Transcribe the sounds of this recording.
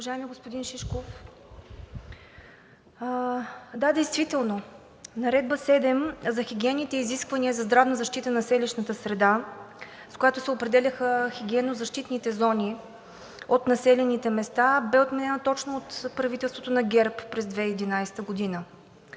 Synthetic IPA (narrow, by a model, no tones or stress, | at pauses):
ʊvɐʒaɛmiɛɡospod̪inʃiʃkof | d̪ad̪ɛjst̪vit̪ɛlˠno | nɐɾɛd̪̚bəsɛd̪ɛmzɐxiɡʲiɛnːit̪ɛiziskvɐniəzɐzd̪ɾavnəzɐʃt̪it̪ənɐsɛliʃnət̪əsɾɛd̪a | skojat̪osɛopɾɛd̪ɛlʲəxəxʲiɡʲiɛnozɐʃt̪it̪nit̪ɛzɔnʲi | ot̪nɐsɛlɛnit̪ɛmɛst̪abɛot̪mɛnɛnot̪ɔt͡ʃnoot̪pɾɐvit̪ɛlˠst̪vot̪onɐɡʲɛɾpːɾɛzd̪vɛd̪inajsɛ̥t̪əɡod̪inə